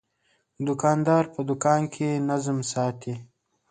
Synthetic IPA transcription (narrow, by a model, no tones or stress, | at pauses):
d̪ʊkɑːnd̪ɑːɾpəd̪ʊkɑːnkʰenazmsɑːt̪ʰi